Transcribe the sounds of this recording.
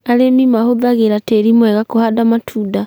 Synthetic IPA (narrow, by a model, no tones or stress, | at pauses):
aɾemimahoðaɣeɾateɾimwɛɣakohadamatʰuːda